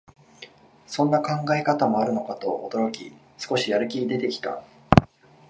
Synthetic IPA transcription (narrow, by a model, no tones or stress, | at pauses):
sõ̞nːakãŋɡaekat̪amo̞aɾɯ̟no̞kat̪o̞ːd̪o̞ɾo̞kʲḭ | sɨ̥ko̞ɕijaɾɯ̟kʲid̪e̞t̪e̞kʲi̥t̪a̰